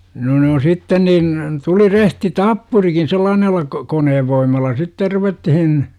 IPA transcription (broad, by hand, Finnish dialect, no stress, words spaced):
no ne on sitːen niːn tuli rehti tɑpːurikin selːɑːnelːɑ ko koneːʋːoimˑɑlːɑ sitːer ruʋetːihin